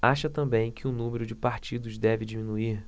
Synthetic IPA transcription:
aʃɐt̪ɐ̃mbẽj̃kʰɪʊnũmeɾʊd͡ʒɪpaɾt͡ʃid̪ʊzd̪ɛvɪd͡ʒimĩnuiɾ

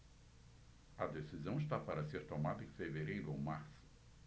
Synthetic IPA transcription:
ɐd̪esizɐ̃w̃ɪs̬t̪apaɾɐseɾt̪omad̪ɐẽfeveɾejɾʊowmaɾsʊ̥

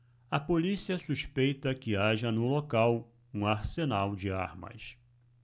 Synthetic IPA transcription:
ɐpolisiɐsuʃpejt̪ɐkɪaʒɐnʊlokaw | ũaɾsenawd͡ʒɪa̰ɾmɐ̰s

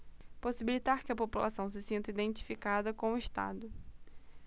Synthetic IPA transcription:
posibilit̪aɾkɪɐpopula̰sɐ̃w̃sɪsĩnt̪ɐid̪ẽnt͡ʃi̥fikad̪ɐkõw̃ʊɪʃt̪a̰d̪ʊ

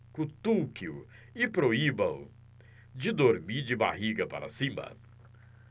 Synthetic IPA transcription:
kũt̪ukiu | ɪpɾoibɐ̃w | d͡ʒɪd̪oɾmiɾd͡ʒɪba̰ɦiɡɐpa̰ɾɐ̰sĩmɐ̰

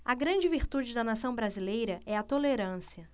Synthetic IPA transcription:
ɐɡɾɐ̃d͡ʒɪviɾt̪ud͡ʒɪd̪ɐnasɐ̃w̃bɾazilejɾɐʔɛɐt̪oleɾɐ̃siɐ

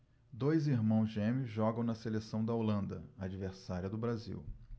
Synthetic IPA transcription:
d̪ojziɾmɐ̃w̃zʒẽmiʒɔɡɐ̃w̃nɐselesɐ̃w̃d̪ɐolɐ̃nd̪ɐad͡ʒiveɾsaɾiɐd̪ʊbɾazḭw

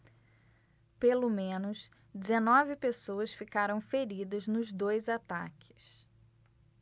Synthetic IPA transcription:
pelomẽnʊs | d͡ʒɪzenɔvɪpesowɐsfikaɾɐ̃w̃feɾid̪ɐznʊzd̪ojzat̪a̰kʰɪ̥s

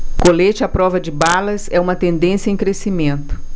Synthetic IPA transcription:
kolet͡ʃɪapɾɔvɐd͡ʒɪbalɐzɛũmɐt̪ẽnd̪ẽsjɐẽj̃kɾesimẽnt̪ʊ̥

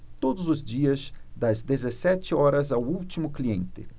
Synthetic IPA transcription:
t̪od̪ʊzʊzd͡ʒiɐzd̪ɐzd̪ezesɛt͡ʃɪɔɾɐzawuwt͡ʃimʊkliẽnt̪ɪ̰

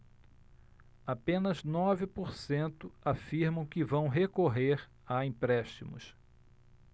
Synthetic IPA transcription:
apẽnɐznɔvɪpoɾsẽnt̪ʊafiɾmɐ̃w̃kɪvɐ̃w̃ɦekoɦeɾ | aĩpɾɛʃt͡ʃimʊ̰s

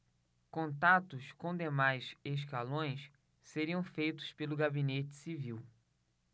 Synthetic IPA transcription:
kõnt̪at̪ʊskõd̪emajzeʃ̬kalõj̃s | seɾiɐ̃w̃fejt̪ʊ̥spelʊɡabinet͡ʃɪ̥siviw

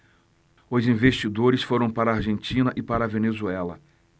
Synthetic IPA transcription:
ʊzĩveʃt͡ʃid̪oɾɪsfoɾɐ̃w̃paɾɐaɾʒẽnt͡ʃĩnɐʔɪpaɾɐvenezuɛlɐ

